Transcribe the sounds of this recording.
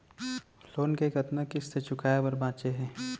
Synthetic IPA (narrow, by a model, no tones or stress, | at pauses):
loːnkekɐt̪nəkɪsset͡ʃʰʊkaːebɐɾbãːt͡ʃeɦɛ̃ː